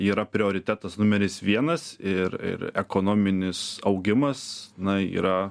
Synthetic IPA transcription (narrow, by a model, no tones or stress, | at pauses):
iːɾɐpʲɾʲɪoːɾʲɪt̪ʲæːt̪ɐsnʊmʲɛɾʲɪsʋʲiɛnɐsɪɾɪ̰ɾɛkoːnoːmʲɪnʲɪsɐʊɡʲɪmɐsnɐḭːɾɐ